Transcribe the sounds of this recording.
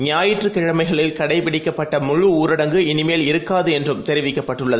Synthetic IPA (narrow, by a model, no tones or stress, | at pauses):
ɲɪaːjɪʈrɯkɪɻɐmɐɪɣɐɭɪlkɐɽɐɪpɪɽɪkːɐpːɐʈːɐmʊɻɯuːɾɐɽɐŋɡɯɪnɪmeːlɪɾɯkːaːðɯɛndrɯmt̪ɛɾɪʋɪkːɐpːɐʈːɯɭːɐðɯ